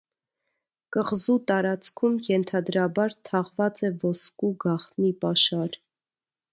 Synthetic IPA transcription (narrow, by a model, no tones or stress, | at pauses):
kəʁzut̪ɑɾɑt͡skʰumjɛnt̪ʰɑd̪ɾɑbɑɾt̪ʰɑʁvɑt͡sɛvɔskuɡɑχt̪nipɑʃɑɾ